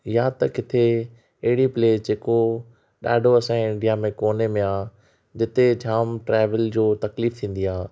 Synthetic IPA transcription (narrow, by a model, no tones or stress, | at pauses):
jat̪ɐkɪt̪ʰe | ɐɦɪɽipleːd͡ʑeːko | ɗa̰ːɖʱoɐsãɪ̃ɳɖijamẽkoːnemẽaː | d͡ʑɪt̪ed͡ʑʱaːmʈɾɛːʋəld͡ʑoːt̪ɐkliːft̪ʰĩːn̆d̪iaː